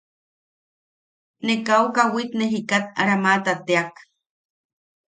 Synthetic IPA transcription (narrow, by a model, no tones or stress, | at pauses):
nekaukawit̪neɦikat̪̚a̰ɾamat̪at̪eak